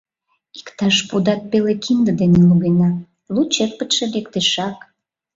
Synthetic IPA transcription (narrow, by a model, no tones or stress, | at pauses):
i̥kt̪ɑʃpud̪ɑt̪̚pelekʰind̪əd̪eneluɣenɑ | lut͡ɕer̚pət̪ʃĕlekt̪eʃɑk